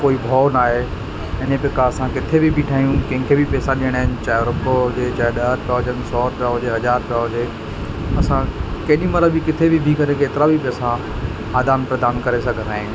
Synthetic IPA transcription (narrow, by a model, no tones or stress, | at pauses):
koːibʱɔːnaːɦe | ɪnepɪkaɐsãkɪt̪ʰebʱibʱɪʈʰaːɦijũkɐ̃ɦɪ̃kʰebʱipɛːsãɗiəɽ̃aːɪnɪt͡ɕaːjɾʊpd͡ʑeːt͡ɕaːɗɐɦəɾpaːd͡ʑənsɔːpaːɦʊd͡ʑeɦɐd͡ʑaːɾpjaːɦʊd͡ʑeː | ɐsãkɐɗĩmɐɾəbʱɪkɪt̪ʰebʱibʱikɐɾẽkeːt̪ɪɾabʱipɛːsã | aːd̪aːnpɾɐd̪aːnkɐɾesɐ̃ɡʱɐɾaːĩj̃ũ